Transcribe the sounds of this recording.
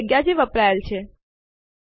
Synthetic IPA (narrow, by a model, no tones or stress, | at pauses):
ɡjad͡ʒeʋəpɾajəlt͡ʃʰe